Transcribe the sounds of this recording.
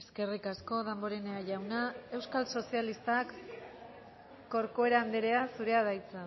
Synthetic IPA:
eske̞rikasko̞ðemboɾeneaʝawnae̞wskalso̞sialist̪ak | o̞ɾkoe̞ɾaːnd̪eɾe̞asuɾe̞aðajt͡sa

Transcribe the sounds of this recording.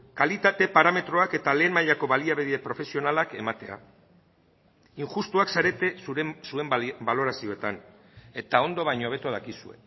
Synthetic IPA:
kalit̪at̪e̞paɾame̞t̪ɾo̞ake̞t̪ale̞ːnmaʎako̞βaliaβeðiepɾo̞fe̞sio̞nalake̞mat̪e̞a̰ | iŋʝust̪uaksaɾe̞t̪e̞suesue̞mbalo̞ɾasio̞et̪an | e̞t̪ao̞nd̪o̞βajɲoβ̞e̞t̪uðakisue̞̰

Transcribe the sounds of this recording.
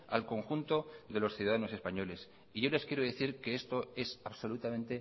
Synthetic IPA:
a̰lko̞ŋxunt̪o̞ðe̞lo̞sθjuðaðano̞se̞spaɲo̞le̞s | iʝo̞le̞skjeɾoð̞eθiɾke̞est̪o̞e̞saβso̞lut̪amẽ̞nt̪e̞

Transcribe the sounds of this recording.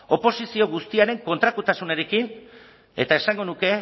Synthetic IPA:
o̞po̞sisio̞ɣ̞ust̪iaɾe̞ŋko̞nt̪ɾak̪ut̪asuneɾe̞kin | e̞t̪ae̞saŋɡo̞nuke̞

